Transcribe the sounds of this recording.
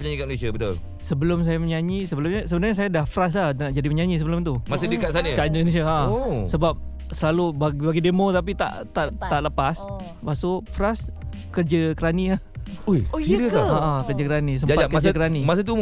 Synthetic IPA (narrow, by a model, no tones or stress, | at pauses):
pəɲaɲikamnesiabət̪o | səbəlʊms̬ajaməɲaɲisəbəlʊmɲəsəbənarɲas̬ajadahfɾas̬anaʔd͡ʒadiməɲaɲis̬əbəlʊmt̪umasədəkasanəkaindones̬iaʔsəbap̚ | səlalubaɡbaɡidemot̪ap̬it̪a̰ʔt̪aʔt̪aʔləpas | pasofɾas | kərd͡ʒəkəɾania | ojidəaaʔakərd͡ʒəkəɾanis̬əmd͡ʒapaakəd͡ʒakəɾanimas̬ət̪̬u